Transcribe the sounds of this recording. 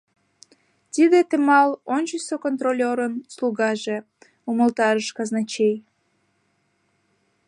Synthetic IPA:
t̪id̪et̪emɑlonʲt͡ɕəsokont̪rolʲoɾənsluɣɑʒe | uməlt̪ɑɾəʃkɑznɑt͡ɕej

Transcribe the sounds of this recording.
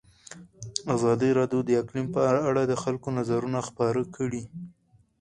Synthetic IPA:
azɑd̪iɾɑd̪jod̪əɪklimpəaɽad̪əxalkonazaɾunaxpɑɾəkʰəɽi

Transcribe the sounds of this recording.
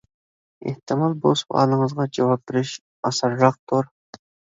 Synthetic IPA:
ḛht̪ɪmɑlˠbospɑ̰ːlˠəŋəzʁɑd͡ʒɑwɑp̚bɪɾɪʃ | ɑsɑɾʒɑq̚t̪ʊɾ

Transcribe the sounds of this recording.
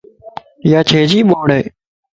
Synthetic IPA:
jaːt͡ʃʰeːd͡ʒiːɓoːɽeː

